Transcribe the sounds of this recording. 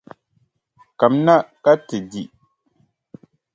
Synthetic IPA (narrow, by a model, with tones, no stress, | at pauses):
ka˨mna˦ka˦tɨ˨di˨